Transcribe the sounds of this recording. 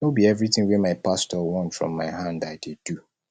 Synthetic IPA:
obiɛvɹiθɪ̃ŋwɛmaɪpastɔwɔ̃ntfɹɔ̰̃mːaɪɦãndaɪdedu

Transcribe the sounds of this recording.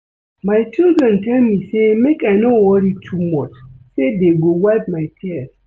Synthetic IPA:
maɪt͡ʃildɹɛ̃ntʰɛlmisemekajnowɔɹitʰumɔt͡ʃsedeɡowad̚majtʰiɛs

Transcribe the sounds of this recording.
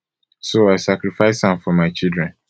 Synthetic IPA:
soaɪsakɾifaɪshãmfɔmaɪt͡ʃildɾɛ̃n

